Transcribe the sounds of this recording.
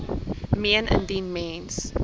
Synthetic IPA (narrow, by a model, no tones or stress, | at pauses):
mẽnə̰̃ndĩnmẽns